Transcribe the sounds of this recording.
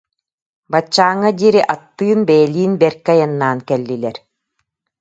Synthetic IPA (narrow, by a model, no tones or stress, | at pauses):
bat͡ɕːaːŋad̪ʲiːɾiʔat̪ːɯːnbɛjɛliːnbɛɾkajanːaːnkɛlːilɛɾ